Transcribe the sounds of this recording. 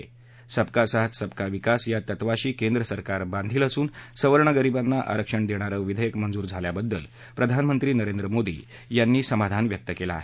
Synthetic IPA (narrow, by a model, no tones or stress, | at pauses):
səbkasaɦət̪səb̚kaʋikasjat̪ət̪ʋaɕiːkend̪ɾəsəɾkaɾband̪ʱiːləsuːnsəʋəɾɳ̃əɡəɾibanːaʔa̰ɾəkʂəɳd̪eɽ̃aɾəʋid̪ʱəjəkmənd͡zuːɾd͡zʱaljabəd̪ːə̰l | pɾəd̪ʱanmənt̪ɾiːnəɾend̪ɾəmod̪ḭː | janːiːsəmad̪ʱanʋjək̚t̪əkela̰ːɦe